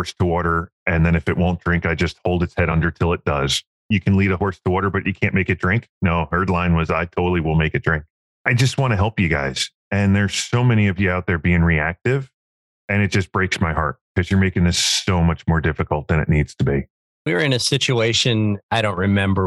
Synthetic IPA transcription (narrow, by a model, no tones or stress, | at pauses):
ɔɹstʰəwɔɾə˞ | ɨ̃nðɨ̃ñɨfɨʔ̚wõʊ̃ndɹɪ̃ŋkaɪd͡ʒʌst̚hoʊlˠdɨtshɛɾʌ̃ndə˞tʰɪlˠɨt̚d̥ʌz̥ | jɨkʰɨ̃n̩liɾəhɔɹstʰəwɔɾə˞bʌt͡ʃɨkʰæ̃nmeɪkɨt̚d̥ɹɪ̃ŋknoʊhɜ˞dˡlãɪ̃nwʌzaɪtʰoʊɾl̩ˠiwɪlˠmeɪkɨt̚d̥ɹɪ̃ŋk̚ | aɪd͡ʒʌst̚wɑ̃ñɨɦɛlˠpjɨɡaɪz̥ | ɨ̃nðə˞z̥soʊmɛñiʌvjɨaʊt̪̚ðə˞biɪ̃ŋɹiæk̚tɪv | ɨ̃ñɨt̚d̥ʒ̥ʌsb̥ɹeɪksmaɪɦɑ̰ɹt̚kʰʌzjə˞meɪkɪ̃ŋðɪsoʊmʌt͡ʃmɔɹdɪfɨkl̩ˠt̪̚ðɨ̃ñɨ̰ʔⁿnidz̥tʰɨbi | wiə˞ɨ̃nɨsɪt͡ʃueɪʃɨ̃naɪɾõʊ̃nʔɹɨmɛ̃mbə˞